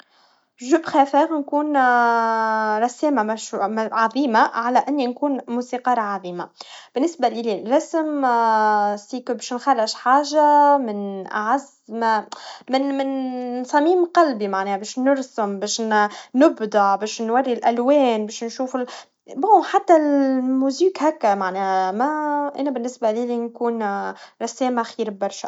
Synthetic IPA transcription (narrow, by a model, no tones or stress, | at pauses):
ʒʊbxæfɛːɣnkuːn | ɾˤɑsɛːmamæʃʕɑðˤiːmaʕalæʔɪnːinkuːnmuːsiːqɑːɾˤɑʕɑðˤiːmab̥ɪnːɪsbalililɾɑsm | siːkbɛːʃnxarˤːɪʃħaːʒamɪnʔa̰ʕaz | mmɪnmɪnsˤɑmiːmqɑlbimaʕnɛːhæbɛːʃnʊɾsʊmbɛːʃnnʊbd̪ˤɑʕbɛːʃnwarːilʔælwɛːnbɛːʃnʃuːfɪl | boːħat̪ːælmuːziːkhækːæmaʕnɛːhæmæʔæ̰ːnæbɪnːɪsbaliːlinkuːnɾˤɑsɛːmaxiːɾbɑɾˤʃa